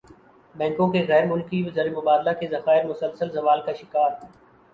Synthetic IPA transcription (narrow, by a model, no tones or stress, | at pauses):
bɛ̃ːŋkõkeɣɛːɾmʊlkiʋzɐɾemʊbaːd̪lakezɐxaːɪɾmʊsəlsəlzɐʋaːlkaʃɪkaːɾ